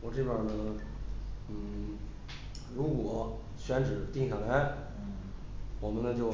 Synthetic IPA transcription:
wɔ˨˩ʈ͡ʂɤ˥˩pjə˞˥˩nə˩ | n̩˥˩ | ɻu˧˥kwɔ˨˩˦ | ɕɥɛ˧˥nʈ͡ʂɻ̩˨˩t̪i˥˧ŋɕʰa˥˩la˧˥ɪ | wɔ˨˩mə˧˦nə˧t͡ɕjo˥˩ʊ

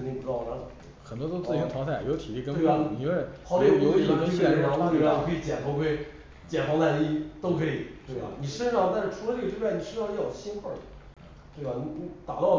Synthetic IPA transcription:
ə˥˧t̪i˥˧pu˧˩ɻ̩˥˧ɑ˥˩ɑ˧˥˧xə˨˩nt̪wɔ˥t̪o˥ʊt͡sɹ̩ʰ˥˧˩i˥ntʰɑ˧˥ŋsʰa˥˩˨jt̪ʰi˨˩i˥˩kə˥e˥˩ɐ˨˩˧ni˧˩we˥˩pʰɑ˧˥ʊme˥˩˥ʈ͡ʂe˥˧˩ɑ˥˧˥we˥˧˩i˨˩kʰi˧˩t͡ɕjɛ̰˨˩npʰɔ˧˥kwe˥˩ɪ | t͡ɕjɛ˨˩nfɑ˥ŋt̪a˥˧˩i˥t̪o˥ʊkʰɤ˧˥i˨˩˦t̪we˥˩ɪba̰˩ni˨˩ʂə˥nʂɑ˥˧ŋt̪a˥˧nʂɻ̩˥˩ʈ͡ʂʰu˧˥lə˧ʈ͡ʂɡə˩ʈ͡ʂi˥pʰjɛ˥˩ni˨˩ʂə˥ʂɑ˥˧ŋjɑ˨˩ɕi˥nxə˥˩ | t̪we˥˩ba˩ni˧˥ni˧˥t̪a̰˨˩t̪ɑ˥˩ʊ

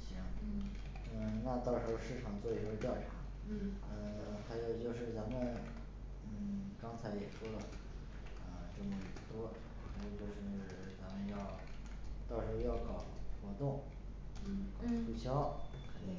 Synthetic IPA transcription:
ɕi˧˥ŋ | ə˥˧˩na˥˧t̪ɑ˥˩ʊʂɻ̩˧˥xo˥ʊʂɻ̩˥˩ʈ͡ʂʰɑ˨˩ŋt͡swɔ˥˩i˥˩˥ə˥t̪jɑ˥˩ʊʈ͡ʂʰɑ˧˥ | ə˧ | xa˧˥ɪjo˨˩ʊt͡ɕjo˥˧ʊʂɻ̩˥˩t͡sa˧˥mə˨n | n̩˥˩kɑ˥ŋt͡sʰa˧˥ɪjɛ˨˩ʂwɔ˥d̪ə˨ | ə˧ʈ͡ʂɤ˥˩mə˩˨˩t̪wɔ˥ | xa˧˥jo˨˩t͡ɕjo˥˧ʊʂɻ̩˥˩ | t͡sa˧˥mə˧njɑ˥˧ʊ | t̪ɑ˥˩ʊʂɻ̩˧˥xo˥˧jɑ˥˩ʊkɑ˨˩ʊxwɔ˧˥t̪ʊ˥˩ŋ˥˩ | kɑ˨˩ʊʈ͡ʂʰu˥t͡ɕʰjɑ˥ʊkʰə˨˩i˥˩

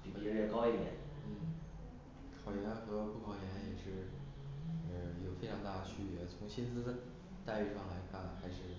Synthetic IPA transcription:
pi˨˩i˧˥˩ɻɛ˥˩kɑ˥ʊi˥˩d̪jɛ̰˨˩˦nn̩˥˩ | kʰɑ˨˩ʊjɛ˧˥nxɤ˧˥pu˥˩kʰɑ˧˥ʊjɛ˧˥njɛ˨˩ʂɻ̩˥˩ | ə˩jo˨˩ʊfe˥ɪʈ͡ʂʰɑ˧˥ŋt̪a˥˩d̪ə˩t͡ɕʰy˥˩ɥɛ˧˥t͡sʰʊ˧˥ŋɕi˥nt͡sɹ̩˥ | t̪a˥˧ɪy˥˧ʂɑ˥˩ŋla˧˥ɪkʰa˥˩nxa˧˥ɪʂɻ̩˥˩

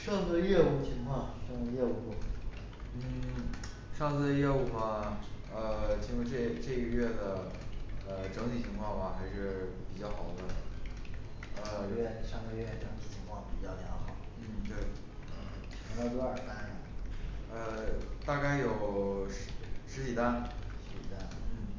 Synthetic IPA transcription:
ʂɑ˥˧ŋt͡s̩˥˧jɛ˥˧u˥˩t͡ɕʰi˧˥ŋkʰwɑ˥˩ŋʂɑ˥˧ŋt͡s̩˥˧jɛ˥˩˧u˧˥˩ | n̩˥˩ | ʂɑ˥˧ŋt͡sɹ̩˥˧jɛ˥˩u˥˩mɐ˩ə˧t͡ɕʰi˧˥ʂu˧˥ʈ͡ʂe˥˩˧ʈ͡ʂɤ˥˩ɡə˧ɥɛ˥˩d̪ə˩ | ə˧ʈ͡ʂɤ˧˥ŋt̪ʰi˨˩t͡ɕʰi˧˥ŋkʰwɑ˥˩ŋbɐ˩xa˧˥ɪʂɻ̩˥˩pi˨˩t͡ɕjɑ˥˩ʊxɑ˨˩ʊd̪ə˦ | ə˧˥˩ʂɑ˥˧ŋkɥɛ˥˩ʈ͡ʂɤ˧˥ŋt̪ʰi˨˩t͡ɕʰi˧˥ŋkʰwɑ˥˩ŋpi˨˩t͡ɕjɑ˥˩ʊt̪ʰɑ˧˥xɑ˨˩˦n̩˥˩t̪we˥˩ɪ | ə˧˩ | t͡ɕʰɛ˧˥ŋt̪ɑ˥˧t̪wə˞˨˩ka˥˩˨ə˧t̪a˥˧ka˥˩ɪjo˨˩ʊ | ʂɻ̩˧˥t͡ɕi˨˩t̪a˥˧nʂɻ̩˧˥t͡ɕi˨˩t̪a˥˧nn̩˥˩

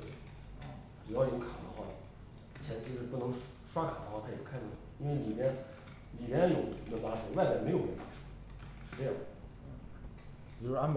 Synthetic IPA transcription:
ʈ͡ʂɻ̩u˨˩jɑ˥˧ʊjʊ˥˩kʰa˨˩d̪ə̰˦xwa̰˥˩ | t͡ɕʰjɛ˧˥nt͡ɕʰi˧˥ʂɻ̩˥˧pu˥˩nɤ˧˥ŋ | ʂwa˥kʰa˨˩d̪ə˦xwa˥˩t̪ʰa˥˩ɛ˨˩pu˥˩kʰa˥˧nʈ͡ʂi˥nwe˥˩ɪli˨˩mjɛ˥n | li˨˩mɛ˧˥˩jʊ˧˥˩ʊnə˧˥npa˧˥ʂə˧˥wa˥˩ɪpʲja˥˩me˧˥ɪjo˨˩nə˧˥˩pa˧˥ʂ | ʂɻ̩˥˧ʈ͡ʂɤ˥˧jɑ˥˩˥ | a˥n

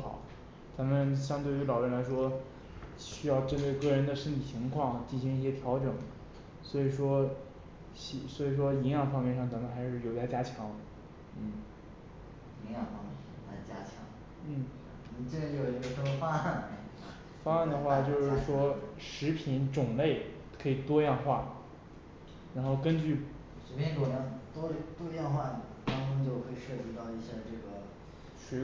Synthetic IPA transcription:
xɑ̰˨˩˦ʊ | t͡sa˧˥mə˨nɕjɑ˥ŋt̪we˥˩ɪy˧˥lɑ˨˩ʊɻə˥˩nla˧˥ɪʂwɔ˥ | ɕy˥jɑ˥˩ʊʈ͡ʂə˥nt̪we˥˧ɪkɤ˥˩ɻə˧˥nd̪ə˨ʂə˥nt̪ʰi˨˩t͡ɕʰi˧˥ŋkʰwɑ˥˩ŋt͡ɕ̪ʰi˥˩ɕi˧˥ŋi˥˩ɕjɛ˥t̪ʰjɑ˧˥ʊʈ͡ʂɤ˨˩˦ŋ | swɔ˧˥i˨˩ʂwɔ˥ | ɕi˥˩swɔ˧˥i˨˩ʂ̬wɔ˥i˧˥ŋjɑ˨˩ŋfɑ˥ŋmjɛ˥˧nʂɑ˥˩ŋt͡sa˧˥mə˨nxa˧˥ɪʂɻ̩˥˩jo˧˩ʊt͡sa˥˧˩ɪt͡ɕja˥t͡ɕʰjɑ˧˥ŋ | n̩˥˩ | i˧˥jɑ˨˩ŋfɑ˥ŋmɛ˥˩˨a˧˥˩t͡ɕja̰˥t͡ɕʰjɑ̰˧˥ŋ | n̩˥˩˥ | ʈ͡ʂe˥˩ɡə˧jo˥˩o˩i˧˥ə˧˩ʂə˧˥mə˧fa˥a˥˩n˧ | fa˥a˥˩nd̪ə˩xwa˥˧t͡ɕjo˥˧ʊʂɻ̩˥˩ʂwɔ˥ʂɻ̩˧˥pʰi˧˥nʈ͡ʂʊ˨˩ŋle˥˩ɪ | kʰɤ˧˥i˨˩t̪wɔ˥jɑ˥˧ŋxwa˥˩ | ɻa˧˥nxo˥˩ʊkə˥nt͡ɕy˥˩ | ʂ̩˧˥pʲʰi˧˥nko˨˩nə˧˥nt̪wɔ˥t̪wɔ˥jɑ˥˧ŋxwa˥˩n˨ | t̪ɑ˥ŋʈ͡ʂu˥ŋt͡ɕjo˥˧ʊkʰɤ˥˩i˨˩ʂɤ˥˩t͡ɕi˧˥t̪ɑ˥˧ʊi˥˩ɕja˥˧ʈ͡ʂɤ˥˩ɡə˩ | ʂ̩˧˥

